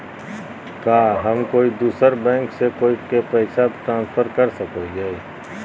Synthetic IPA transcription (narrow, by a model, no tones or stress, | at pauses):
kaːɦəmkoːid̪uːsəɾbɛ̃ːŋksekoːikepɛɪsaʈ̪ɾãːnspʰəɾkəɾsəkod͡ʒae